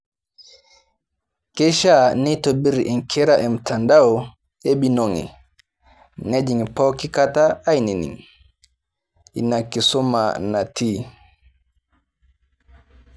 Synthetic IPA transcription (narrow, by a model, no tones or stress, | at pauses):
kɛʃanitobiɾiʔɛnkʰɛɾaʔɛmtandawɔ | eɓinoŋɛ̰ | ned͡ʒiŋpɔkikataːjninḭŋ | inakːisɔma̰natiː